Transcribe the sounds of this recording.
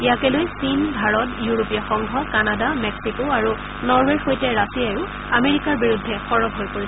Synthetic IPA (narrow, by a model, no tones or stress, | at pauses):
ijakɛlojsinbʱaɹɔtjuɹopijaxɔŋɡʱɔkanadamɛksikoaɹu | nɔɹwɛxojtɛɹasijajʊ | ameɹikaɹbiɹudʱːɛxɔɹɔbɦojpoɹisɛ